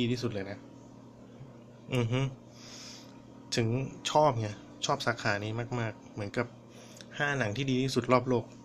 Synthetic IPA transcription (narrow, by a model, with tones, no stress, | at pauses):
iː˧t̪ʰiː˥˩su˨˩lɤː˧jna˦˥ʔ | ʔɯ˨˩ɦɯ˧˥ | t̪ʰɯ˩˦ŋt͡ɕʰɔː˥˩p̚ŋa˧˥˩ | t͡ɕʰɔː˥˩p̚saː˩˦kʰaː˩˦niː˦˥maː˥˩k̚maː˥˩k̚mɯ˩˦ənka˨˩p̚ | haː˥˩na˩˦ŋt̪ʰiː˥˩diː˧iː˥˩su˨˩t̪̚lɔː˥˩p̬̚loː˥˩k̚